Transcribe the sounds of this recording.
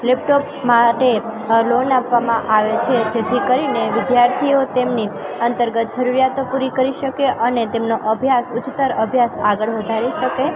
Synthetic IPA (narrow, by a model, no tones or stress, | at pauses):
lep̚ʈop | maʈelonapʋamãʔaʋet͡ʃʰed͡ʒet̪ʰikəɾineʋɪd̪jaɾt̪ʰiot̪emniənt̪əɾɡət̪̚d͡ʒəɾuɾijat̪opuɾikəɾiʃəkeʔənet̪emnoʔəbʱjasʊt͡ʃt̪əɾəbʱjasaɡəɭʋəd̪ʱaɾiʃəke